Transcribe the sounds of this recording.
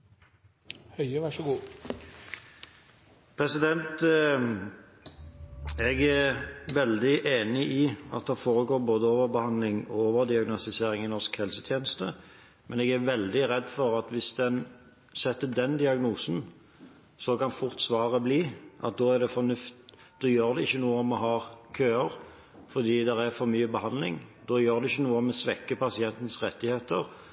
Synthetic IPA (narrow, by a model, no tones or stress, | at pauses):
hœɪʋæʂəɡuː | pʰɾɛsɪd̪ɛnt̪ | ɛɡæʋɛld̪ɪʔeːnɪʔɪɑ̰t̪̚d̪ɛːfoːʁəɡoːɾboːd̪əoːʋəɾbəhɑnd̪lɪŋɔoːʋəʁd̪ɪɑɡnɔst̪ɪseːɾɪŋɪnɔskhɛlsət̪ʰjeːnəst̪ə | mɛnɛːɡæɾʋɛld̪ɪʁɛd̪ːfɔɾɑt̪ʋɪsd̪ɛn | sɛt̪ːəd̪ɛnd̪ɪɑɡnuːsn̩ | sɔkɑnfʊʁt̪sʋɑːʁəbliːʔɑ̰t̪̚d̪oːæɾd̪ɛfɔɾnʉft̪ | d̪̥ɔːjøːɾd̪ɛɪçːənuːəɔmɔɦɑːɾkʰøːəʁ | fɔd̪iːd̪ɛɾæfɔɾmyːəbəhɑnd̪lɪ̰ŋd̪̥oːjøːɾd̪ɛɪçːənuːəɔmɛsʋɛkːəpʰɑsɪɛnt̪n̩sʁɛt̪ːɪheːt̪əɾ